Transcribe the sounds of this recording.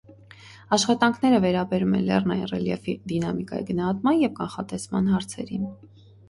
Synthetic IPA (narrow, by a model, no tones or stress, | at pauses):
ɑʃχɑt̪ɑŋkʰnɛɾəvɛɾɑbɛɾumɛ̰nlɛ̰rnɑjḭnrɛljɛfid̪inɑmikɑ̰jḭɡənɑhɑt̪mɑnjɛvkɑnχɑt̪ɛsmɑnɦɑɾt͡sʰɛ̰ɾin